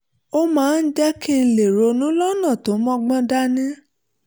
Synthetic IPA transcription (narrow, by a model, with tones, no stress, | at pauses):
o˦mãː˦n̩˦d͡ʒɛ˦ki˦n̩˧le˨ɾo˧nũ˨˦lɔ˦nã˦˨to˨˦mɔ̃˦ɡ͡bɔ̃˦da˦nĩ˦